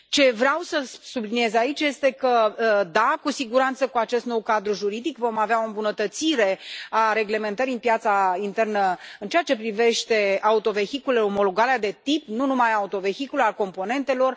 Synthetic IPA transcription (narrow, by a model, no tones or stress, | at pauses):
t͡ʃe̞vɾeawsəsubliniezait͡ʃje̞st̪e̞kəd̪akusiɡuɾant̪səkuat͡ʃe̞st̪no̞wkad̪ɾuʒuɾid̪ikvo̞maveao̞ɨmbunət̪ət̪siɾe̞aɾe̞ɡle̞me̞nt̪əɾiɨnpjat̪saint̪e̞rnəɨnt͡ʃe̞at͡ʃe̞pɾive̞ʃt̪e̞aut̪o̞ve̞çikuleomo̞loɡalead̪e̞t̪ipnunumajaut̪o̞vexikulealko̞mpo̞ne̞nt̪e̞lo̞r